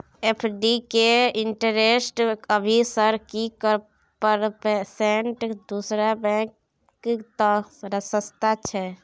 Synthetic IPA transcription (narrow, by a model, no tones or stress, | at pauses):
epʰɖikeiɳʈəɾesʈəbʱisəɾkikəɾ | pəɾpɛseɳʈd̪usɾabɛ̃k | kt̪ɔɾəsəst̪ʰat͡ʃʰɛ